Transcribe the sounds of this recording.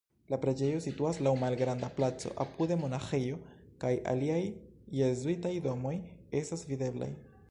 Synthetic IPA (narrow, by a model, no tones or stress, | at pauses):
lapɾe̞d͡ʒe̞jo̞situaslawmalɡɾandaplat͡so̞̰ʔa̰pude̞mo̞naxejo̞ | kajʔa̰liajː | ezuitajdo̞mo̞je̞stasvide̞bla̰j